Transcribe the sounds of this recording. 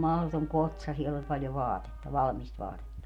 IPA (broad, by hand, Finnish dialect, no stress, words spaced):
mɑhlotoŋ kotsɑ sielː olʲ pɑljo ʋɑːtetːɑ ʋɑlɑ̆mist ʋɑːtetːɑ